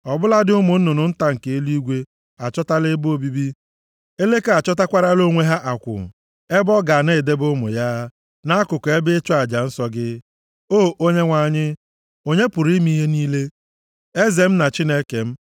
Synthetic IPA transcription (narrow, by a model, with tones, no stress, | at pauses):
ɔ˨bʊ˦la˦dɪ˦ʊ˦mʊ˨n̩˦nʊ˨nʊ˨n̩˦ta˦ŋ̩˨ke˨e˦li˦ɡʷe˦ | a˨t͡ʃɔ˦ta˦lɪ˦bo˦bi˦bi˦ | e˦le˦ka˨t͡ʃɔ˦ta˦kʷa˦ɾa˦lo˦ŋʷe˦ɦa˦ʔa˨kʷʊ̰˨ | e˦bɔ˦ɡa˨ne˦˨de˦bʊ˦mʊ̰˨ja˦ | na˦a˦kʊ˨kɔ˨e˦bɪ˦t͡ʃɔ˦a˨d͡ʒa˨n̩˦sɔ˦ɡɪ˦ | oː˦˨ʔo˦ɲe˦ŋʷa˦˨ɲɪ˦ | o˦ɲe˦pʊ˨ɾi˦mi˦ɦe˦niː˦le˦ | e˦ze˨m̩˦na˨t͡ʃi˦ne˦ke˨m̩˦